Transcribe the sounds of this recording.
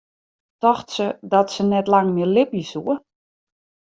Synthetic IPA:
tɔxtsədɔtsənɛtlaŋmɪəlɪpjəsuə

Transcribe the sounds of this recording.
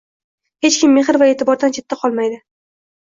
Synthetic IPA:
he̞t͡ʃkʲʰɪmːe̞χɪɾvae̞ːt̪ɪbɒɾd̪ant͡ʃʰe̞t̪ːaqʰɒlˠmajd̪ɪ

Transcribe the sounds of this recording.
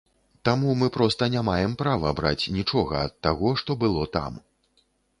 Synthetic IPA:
t̪amumɨpɾɔst̪ɐnʲamajɛmpɾavɐbɾa̰t͡sʲnʲit͡ʂɔɣɐɐt̪ːaɣɔʂt̪ɔbɨlˠɔt̪a̰m

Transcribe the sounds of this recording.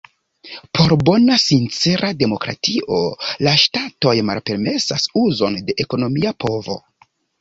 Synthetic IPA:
pʰo̞ɾbo̞nasint͡se̞ɾʔade̞mo̞kɾa̰tiʔo̞laʃtato̞jma̰lpe̞ɾme̞sasuzo̞nde̞ʔeko̞no̞miapo̞vo̞̰

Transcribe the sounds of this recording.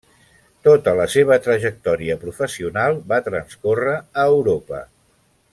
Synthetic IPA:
t̪ot̪ələseβ̞ət̪ɾəʒək̚t̪ɔɾiəpɾufəsiunalˠbat̪ɾənskorəːwɾopə̰

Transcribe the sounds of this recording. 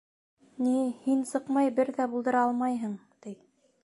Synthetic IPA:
nihinsɤqmɑjbɘɾðæbulˠd̪ɤ̆ɾɑɑlˠmɑjɦɤɴt̪ij

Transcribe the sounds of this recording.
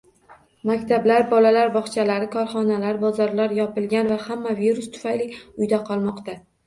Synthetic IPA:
makʲt̪ʰablaɾbɒlalaɾbɒχt͡ʃʰalaɾɪkʰɒɾχɒnalaɾbɒzaɾlaɾjɒpɪlɡʲanvahamːaviɾʊst̪ʰʊ̥fajlɪʊjd̪aqʰɒlˠmɒqt̪a

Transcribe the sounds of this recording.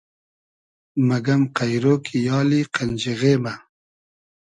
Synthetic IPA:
mɐɡɐmqajɾoːkʰijɑːliqand͡ʑiɣeːma

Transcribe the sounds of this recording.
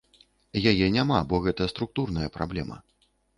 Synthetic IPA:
jajɛnʲamabɔɣɛt̪ɐst̪ɾuk̚t̪urnɐjɐpɾablʲɛmɐ̰

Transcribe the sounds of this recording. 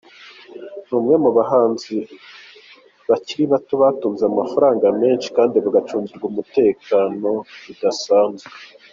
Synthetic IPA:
nuːmŋe̞muβaɦaːnzi | βaciɾiβatoβatuːnzeamafaɾaːŋɡame̞ːnʃi̥kaːndiβaɡat͡ʃuːɲziɾɡumute̞ːkaːno̞βidasaːnzɡe

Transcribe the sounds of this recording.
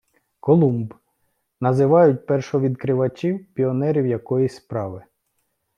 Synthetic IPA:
kɔlˠumb | nɐzɪʋɑjʊt̚ʲpɛrʃɔʋʲid̪kɾɪʋɐt͡ʃʲiwpʲiɔnɛɾʲiwjɐkɔjispɾɑʋɪ

